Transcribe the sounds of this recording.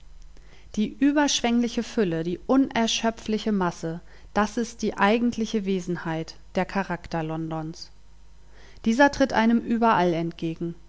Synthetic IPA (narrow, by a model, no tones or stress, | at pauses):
d̥iːʔyːbɐʃv̥ɛŋlɪçəfʏlədiːʔʊnʔɛɐʃœpp͡flɪçəmasə | d̥asɪst̚d̥iːʔaɪɡŋ̩tʰlɪçəveːzn̩haɪtd̥eːɐkʰaʁaktɐlɔndɔns | d̥iːzɐtʁ̥ɪtʔa̰ɪnəmʔyːbɐʔalɛntɡ̥eːɡŋ̩